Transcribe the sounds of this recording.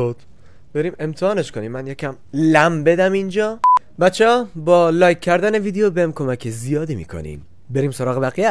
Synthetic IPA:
od̪̥ | b̥e̞ɾiːme̞mt̪ʰehɒːneʃko̞niːmːænjecʰæm | læmbe̞d̪æmind͡ʒɒː | bæt̪t͡ʃʰːeɒːbɒːlɒːjkʲʰːæɾd̪æne̞viːd̪eobemkʰo̞mækʰezijɒːd̪iːmḭːkʰo̰nḭm | be̞ɾiːmso̞ɾɒːɣebæɣijæ

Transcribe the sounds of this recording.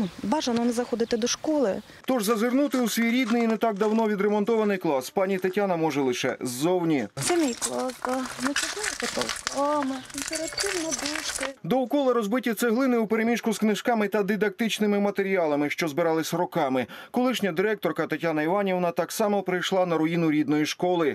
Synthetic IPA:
nubɑʒɐnɔnɛzɐxɔd̪ɪt̪ɪd̪ɔʃkɔlˠɪ | t̪ɔʒzɐzɪrnut̪ɪusʲʋʲijɾʲid̪nɪjinet̪ɑɡ̚d̪ɐwnɔʋʲid̪ɾemɔnt̪ɔʋɐnɪjklˠɑspɑnʲit̪ɐtʲanɐmɔʒɛlˠɪʃɛ̰zːɔwnʲit̪sɛmʲijklˠasɐnɛt͡ʃɪkajɐpɐt̪ɔ̰wkɔmɪnpeɾɐt̪t̪ɪwnɐb̪uʃkɪd̪ɔwkɔlˠɐɾɔzbɪtʲɐt̪sɛɦlˠɪnɪupeɾemʲiʃkʊsknɪʃkɑmɪt̪ɐd̪id̪ɐk̚t̪ɪt͡ʃnɪmɪmɐt̪eɾʲiɑlˠɐmɪʃt͡ʃɔzbɪɾɑlˠɪsʲɐɾɔkɑmɪkɔlˠɪʃnʲɐd̪ɪɾɛk̚t̪ɔrkɐt̪ɐtʲanɐiʋɑnʲewnɐt̪ɑksɑmɔpɾɪjʃlˠɑnɐɾɔjinʊɾʲid̪nɔjiʃkɔlˠɪ

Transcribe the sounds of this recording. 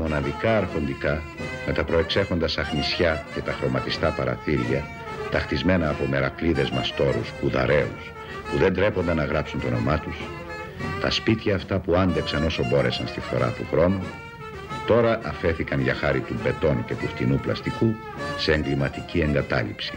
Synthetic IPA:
mo̞nɐðikɐːɾxo̞nd̪ikɐ | me̞t̪ɐpɾo̞e̞kse̞xo̞nd̪ɐsɐxnisçɐce̞t̪ɐxɾo̞mɐt̪ist̪ɐpɐɾɐ̰θiɾʝɐ | t̪ɐxt̪izme̞nɐːpo̞me̞ɾɐkliðe̞zmɐst̪o̞ɾuspuðɐ̰ɾe̞ṵs | puðe̞nd̪ɾe̞po̞nd̪ɐnɐɣɾɐpsunt̪o̞no̞mɐt̪us | t̪ɐspit̪çɐːft̪ɐpuɐnd̪eksɐno̞sobo̞ɾe̞sɐnst̪ifo̞ɾɐ̰t̪uxɾo̞nu | t̪o̞ɾɐʔɐfe̞θikɐnʝɐxɐɾit̪umbe̞t̪o̞nce̞t̪uxt̪inuplɐ̰st̪iku | se̞ːŋɡlimɐt̪icie̞ŋɡɐt̪ɐ̰lḭpsi̥

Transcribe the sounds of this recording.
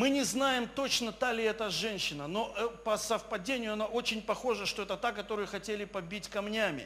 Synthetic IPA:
mɨnʲɪznajɪmt̪o̞t͡ɕnət̪alʲɪɛt̪əʐɛnʲɕːɪnəno̞ʔɛpəsəfpɐdʲenʲɪjʊɐnaʔo̞t͡ɕɪnʲpɐxo̞ʐəʂt̪o̞ɛt̪ət̪akɐt̪o̞ɾɨjəxɐtʲelʲɪpɐbʲitʲkɐmnʲæmʲɪ̰

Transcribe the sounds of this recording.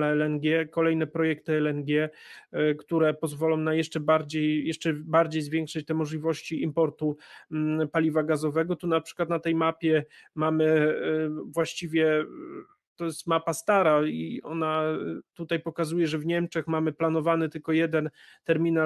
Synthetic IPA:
aɛlɛnɡʲɛkɔlɛjnɛpɾɔjɛk̚t̪ɘɛlɛnɡʲɛ | kt̪uɾɛpɔzvɔlɔ̃w̃najɛʂt͡ʂɛbaɾd͡ʑejjɛʂt͡ʂɛbaɾd͡ʑejzvʲjɛŋkʂɨt͡ɕt̪ɛmɔʐlʲivɔɕt͡ɕiimpɔɾt̪u | palʲivaɡazɔvɛɡɔt̪unapʂɘkwat̪nat̪ɛjmapʲjɛmamɘ | vwaɕt͡ɕivʲjɛ | t̪ɔjɛst̪mapast̪aɾaiɔ̰nat̪ut̪ajpɔkazujɛʐɛvɲɛmt͡ʂɛxmamɘplan̪ɔvanɘt̪ɘlkɔjɛd̪ɛnt̪ɛɾmʲina

